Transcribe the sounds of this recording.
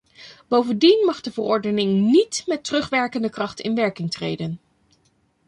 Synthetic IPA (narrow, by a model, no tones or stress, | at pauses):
b̥owvəndinmɑχdəvərɔɹdənɪŋnitmɛtərɵχʋɛɹkəndəkrɑχtɪ̰nʋɛɹkɪŋtrḛjdən